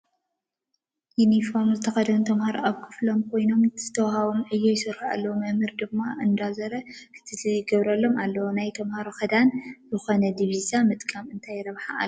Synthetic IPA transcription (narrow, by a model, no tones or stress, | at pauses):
junifo̞ɾmzɨt̪ʰɐxɐd̪ɐwɨnt̪ʰɐmhaɾoʔaβkʰɨ̥flo̞mkʰo̞jno̞mz̥ɨt̪ʰɐwhaβomʔɨjːojɪsɨɾhaa̰lːɐwomɐmɨɾd̪ɨmːaʔɨnd̪azɐɾɐkʰɨ̥t̪ʰɨlɨjɡɐβɾɐlːo̞mʔalːɐwonajt̪ʰɐmhaɾoxɐd̪anzɨxo̞nɐd̪iβizamɨt̪ʼkʼamɨnt̪ʰajɾɐβħaa